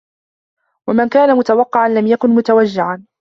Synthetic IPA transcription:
wamankaːnamʊt̪awɑqːɪʕanlamjakʊnmʊt̪awad͡ʒːɪʕan

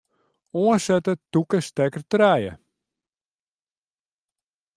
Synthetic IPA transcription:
ɔəsɛtətukəstɛkətrɛjə̰

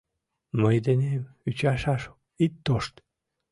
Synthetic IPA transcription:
məjd̪enemyt͡ɕɑʃɑʃ | it̪ːoʃt̪

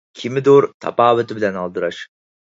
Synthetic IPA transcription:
kʲʰimɪd̪oɾt̪ʰɑ̰pɑːwɨt̪ʰɪbɪlɛnɑlˠd̪ɨɾɑʃ

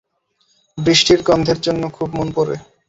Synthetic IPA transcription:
bɾiʃʈiɾɡɔnd̪ʱeɾd͡ʑonːokʰubmonpoɾḛ

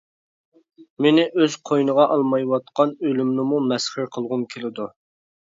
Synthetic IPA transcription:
menɪʔøz̥qʰojnəʁɑʔɑlˠmɑjwɑt̪̚qɑnølymnɪmumɛsχɪɾqʰəlˠʁʊmkʲʰelɪd̪u

